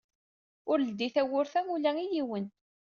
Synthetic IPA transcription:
ʊɾd̪ːiθæwʊɾθæmulæijiwən

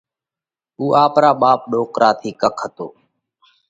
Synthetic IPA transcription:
uːʔaːpɾaːɓaːp̚ɗoːkɾʔaːt̪ʰiːkəkʰːət̪o̰ː

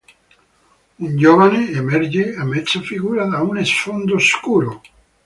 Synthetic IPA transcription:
und͡ʒovaneːmɛɾd͡ʒeamɛt̪sːafiɡuːɾad̪aunesfond̪oskuːɾo

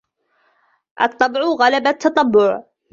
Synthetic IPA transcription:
ʔɑ̰t̪ˤːɑbʕʊɣalabat̪ʰːɑt̪ˤɑbːʊʕ

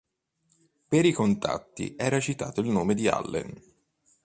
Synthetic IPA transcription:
peɾikont̪a̰t̪ːḭʔɛːɾat͡ʃit̪a̰ːt̪oilnoːmed̪ia̰lːḛn

